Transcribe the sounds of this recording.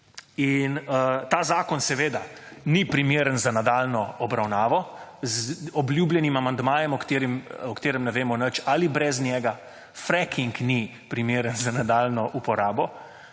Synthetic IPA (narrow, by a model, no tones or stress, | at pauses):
inət̪aːzaːkɔnsɛʋeːd̪anipɾimeːɾənzanad̪aːlnɔɔbɾawnaːʋɔzɔblʲjuːbljɛnimamand̪maːjɛmɔkt̪eːɾimɔkt̪eːɾɛmnɛʋeːmɔnət͡ʃalibɾɛznʲjɛːɡa | fɾɛkʰiŋkni | pɾimeːɾənzanad̪aːlnɔʔupɔɾaːbɔ